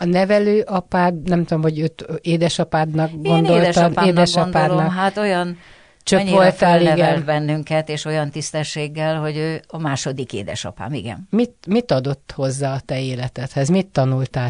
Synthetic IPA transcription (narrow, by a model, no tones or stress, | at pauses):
ɒnɛvɛløːʔɒpaːd̪nɛmt̪uomho̞ɟøːt̪eːd̪ɛʃɒpaːd̪nɒkɡo̞nd̪o̞ːltʃɒeːd̪ɛʃɒndpaːlnɒkɦaːt̪o̞jɒn | t͡ʃøɲkːʋolt̪aːlinɛɡɛnlbɛnːyŋkɛt̪eːʃo̞jɒnt̪ist̪ɛʃːeːɡːɛlho̞ɟøːɒmaːʃo̞d̪ikḛːd̪ɛ̰ʃɒ̰pa̰ːmiɡɛ̰nmit̪mit̪ɒd̪o̞t̪ːho̞zːaːɒt̪ɛeːlɛt̪ɛt̪hɛzmit̪ːɒnult̪aː